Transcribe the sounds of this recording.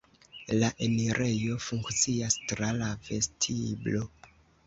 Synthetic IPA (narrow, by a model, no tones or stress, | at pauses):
laʔeniɾʔe̞jo̞fuŋkt͡siastɾalave̞stʰiblo